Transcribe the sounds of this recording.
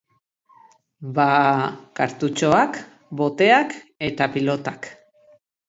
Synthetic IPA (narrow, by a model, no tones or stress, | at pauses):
bakaɾt̪ut͡ʃo̞ak | bo̞t̪e̞ake̞t̪apilo̞t̪ak